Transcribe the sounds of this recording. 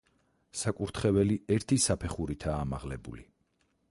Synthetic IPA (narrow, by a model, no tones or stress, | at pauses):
sakʼuɾt̪ʰχɛvɛliɛɾt̪ʰisapʰɛχuɾit̪ʰaːmaʁlɛbṵli